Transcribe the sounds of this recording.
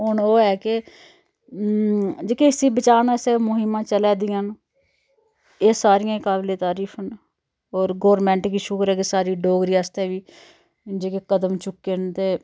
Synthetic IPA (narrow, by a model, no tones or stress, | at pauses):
ɦʊnoːɛːkɪ | d͡ʒeːkeɪsiːbət͡ʃaːnɛːseːmʊɦɪmãːt͡ʃəlɛːd̪ɪjãːn | eːsaːɾɪjãːkaːblẽːt̪aːɾiːfʰən | ɔːɾɡoːɾmɛ̃ːɳʈkiːʃʊkɾɛːkesaːɾiːɖoːɡɾiːaːst̪ɛːʋiː | d͡ʒeːkeːkəd̪əmt͡ʃʊkːent̪eː